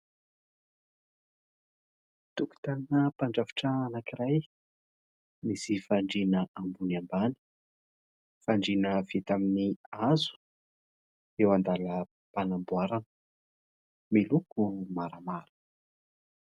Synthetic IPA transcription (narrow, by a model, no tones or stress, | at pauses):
t̪uki̥t̪anəpaɳɖ͡ʐavi̥ʈ͡ʂaanakiraj | misifaɳɖ͡ʐinəʔambuniambani̥ | faɳɖ͡ʐinəvit̪aminiazu̥ | ewand̪alə | panambuaɾanə̥ | milukumaɾamaɾə